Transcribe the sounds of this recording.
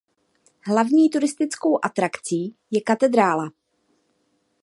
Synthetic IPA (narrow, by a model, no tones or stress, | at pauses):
ɦlavɲiːt̪uɾɪst̪ɪt͡sko̞wʔat̪ɾakt͡siːjɛkat̪ɛd̪ɾaːla